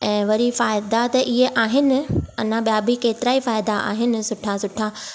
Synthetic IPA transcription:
ɛ̃ːʋɐɾifaːɪd̪at̪ɐʔiɦeʔaːɦɪnɪ̆ɐ̰nãɓijabʱikeːt̪ɪɾaːifaːɪd̪aʔa̰ːɦɪnɪ̆sʊʈʰasʊʈʰa

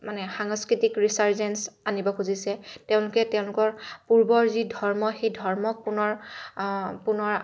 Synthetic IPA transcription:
manɛxaŋskɹitikɹisaɹzɛnsanibɔkʰuzisɛteʊ̃lʊkɛtɛʊ̃lʊkɔɹpuɹbɔɹzidʱɔɹmɔxejdʱɔɹmɔk̚pʊnɔɹ | pʊnɔɹ

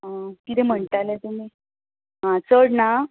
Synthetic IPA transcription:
akit̪ɛm̤əɳʈalet̪umi | ɦãt͡səɽna

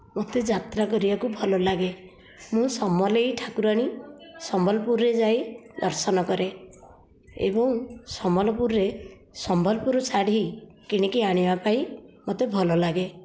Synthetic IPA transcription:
mot̪ed͡ʒat̪ɾakɔɾibakubʱɔlɔlaɡe | mũsɔmɔlejʈʰakuɾaɽ̃isɔmbʱɔlɔpuɾɾed͡ʒajd̪ɔɾsɔnɔkɔɾe | ḛbɔŋsɔmɔlɔpuɾːe | sɔmbʱɔlɔpuɾusaɽ̤i | kiɽ̃ikiaɽ̃ibapaimot̪ebʱɔlɔlaɡe

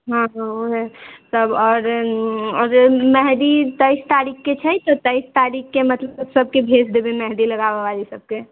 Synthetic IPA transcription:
ɦãɦãoet̪əbɔːɾɔɾmɛɦd̪it̪əɪst̪aɾikʰːet͡ʃʰɛjt̪ɔt̪əɪst̪aɾikʰːemət̪ləbsəbsəb̚kebʱesd̪ebemɛɦd̪iləɡababalisəb̚ke

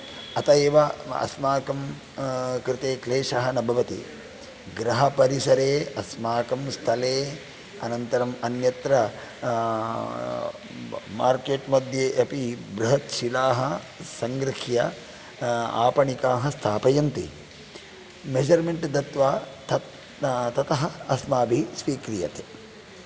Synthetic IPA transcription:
ɐt̪ɐeːʋɐɐ̰smaːkɐm | kɾɪt̪eːkleːʃɐɦɐnɐbʱɐʋɐt̪ḭ | ɡɾɐɦɐpɐɾisɐɾeːɐsmaːkɐmst̪ʰɐleː | ɐnɐnt̪ɐɾɐmɐnjɐt̪ɾɐ | maːɾkeːʈmɐd̪ʱjeːʔɐpibɾuɦɐt̪ʃilaːɦɐ | sɐŋɡɾɪkʰjɐ | a̰ːpɐɳikaːɦɐst̪ʰaːpɐjɐnt̪i | med͡ʒɐɾmeɳʈd̪ɐt̪ʋaːt̪ʰɐ | t̪ɐt̪ɐɦɐɐsmaːbʱisʋiːkɾijɐ̰t̪e

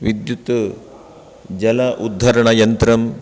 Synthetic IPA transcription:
ʋid̪jut̪ | d͡ʒɐlɐʔud̪ʱːɐɾɐɳɐjɐnt̪ɾɐm

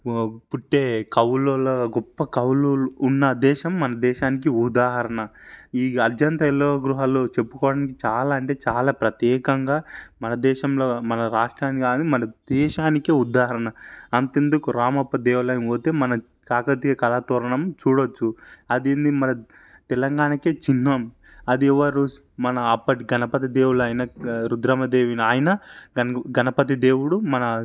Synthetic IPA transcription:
puʈːe̞ːkɐwloːlɐɡɔpːɐkɐwluːlːnːɐd̪ɛːʃɐmːɐnɐd̪ɛːʃaːnik̬iud̪aːɦɐɾɐɳɐiːɐt̪jɐnt̪ɐɛloːɐɡɾuɦaːloːt͡ʃe̞pːu̥kɔːʋɐɽaːnikit͡ʃaːlaːɐɳʈe̞ːt͡ʃaːlaːpɾɐt̪jɛːkɐŋɡaːmɐnɐd̪ɛːʃɐmlo̞ːmɐnɐɾaːʂʈɾaːnikaːnd̪imɐnɐd̪ɛːʃaːnikiud̪aːɦɐɾɐɳɐɐnt̪end̪ukuɾaːmɐpːɐd̪eːwulɐjnoːt̪eːmɐnɐ | kaːkɐt̪iɡɐkɐlaːt̪ɔːɾɐɳɐmt͡ʃuːɽot͡ʃːuɐd̪end̪imɐnɐ | t̪ɛlɐŋɡaːnɐkeːt͡ʃinːɐm | ɐd̪iɛʋɐɾu | mɐnɐːpːɐʈiɡɐnɐpɐt̪̬id̪eːwuɽɐːjɐnɐɾud̪ɾɐmɐd̪eːʋiniaːjɐnɐɡɐɡɐnɐpɐt̪̬id̪eːwuɽumɐnɐ

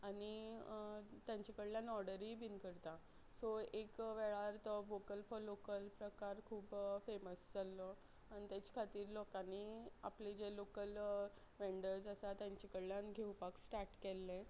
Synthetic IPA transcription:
ani | t̪jaɲt͡ɕikəɽljãnɔɾɽəɾiːbinkəɾt̪a | soekʋɛɭaɾt̪ɔʋokəlfɔlokəlpɾəkaɾkʰuːbfeməsd͡zalɔ | añit̪jat͡ɕkʰat̪iːɾlokania̰plid͡ʑelokəl | ʋeɳɖəɾd͡zəsat̪jãɲt͡ɕikəɽljãnɡʱewpaksʈaɾʈkɛlːẽ

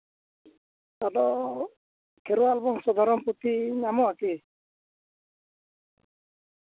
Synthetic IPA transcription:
t̪ad̪ɔ | kʰɛɾuwalbɔŋsɔd̪ʱaɾɔmpɾut̪inamɔaki

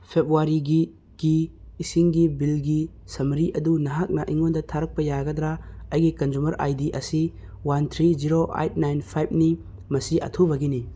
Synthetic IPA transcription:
pʰebuaɾiɡi | ɡ̥iːsiŋɡibilɡi | sɐmɾiʔɐdunɐɦak̚nɐʔiŋɔndɐtʰaɾɐk̚pɐjaɡɐd̪ɾaɐjɡikɐnd͡ʒumɐɾʔa̰jdiʔɐsi | want̪ʰɾiziɾoʔa̰jt̚najnpʰajb̚ni | mɐsiʔɐ̰tʰubaɡini

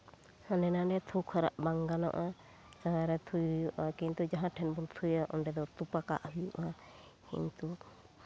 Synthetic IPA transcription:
hanɛnanɛt̪ʰuwkʰaɾa̰ʔbaŋɡanɔ̰ʔa | d͡ʒaɦãɾɛt̪ʰujujuʔakint̪ud͡ʒaɦãʈʰɛnbunt̪ʰujaʔɔɖɛd̪ɔt̪upaka̰ʔɦujṵʔa | kḭɲt̪u

